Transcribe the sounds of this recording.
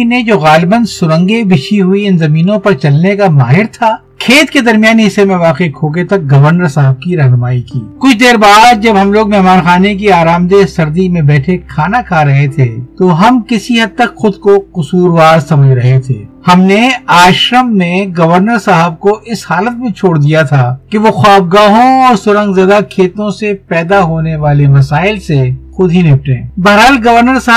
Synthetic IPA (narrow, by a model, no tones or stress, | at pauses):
ned͡ʒoːɣaːlbənsʊɾə̃ŋɡebɪʃiɦʊiɪnzɐmiːnõpɐɾt͡ʃɐlnekamaːɦɪɾt̪ʰaː | kʰeːt̪ked̪ɐɾmijaːnɦɪsːemẽʋaːqekʰoːɡet̪ɐk̚ɡɐʋəɾnəɾsɐɦəb̚kiɾɐɦnʊmaːikḭːkʊt͡ʃʰd̪eːɾbaːd̪̚d͡ʒɐbɦɐmloːɡmɛɦmaːnxaːnek̬iaːɾaːmd̪esɐɾd̪imẽbɛːʈʰekʰaːnakʰaɾɐɦet̪ʰeːt̪oɦɐmkɪsiɦɐd̪̚t̪əkxʊd̪koqʊsuːɾʋaːɾsɐməd͡ʒʱɾɐɦet̪ʰḛːhɐmneaːʃɾəmneɡɐʋəɾnəɾsɐɦəb̚koʔɪshaːlət̪̚mẽt͡ʃʰoːɽd̪ijat̪ʰakeʋoxaːb̚ɡaːɦõɔːɾsʊɾə̃ŋɡzɐd̪akʰeːt̪õsepɛːd̪aɦoːneʋaːleʋɐsaːɪlsexʊd̪ɦinɪp̚ʈḛ̃ːbɐɾɦəlɡɐʋəɾnəɾs